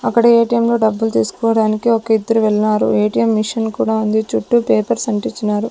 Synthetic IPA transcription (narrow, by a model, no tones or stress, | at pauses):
ɐkːɐɽɐeːʈijɐmlo̞ːɖɐbːult̪iːsu̥kɔːʋɐɽaːnikiokɐid̪ːɐɾuʋɛɭːɐnaːɾṵeːʈijɐmːiʂɐnkuːɽaːund̪it͡ʃuʈːupeːpɐɾsɐɳʈit͡ʃːinaːɾu